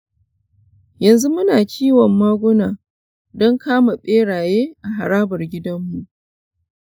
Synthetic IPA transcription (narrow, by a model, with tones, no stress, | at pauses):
jɐ˨nzu˦mʊ˦naː˨t͡ʃiː˦wɔ˨mːaː˦ɡʷʊ˦naː˨ | dɔ˦ŋkaː˦ma˨ɓʼeː˦ɽaː˨jeː˦ʔa˨ɦa˨ɾaː˦bɐ˨rɡʲɪ˦dɐ˦mːu˨ʔ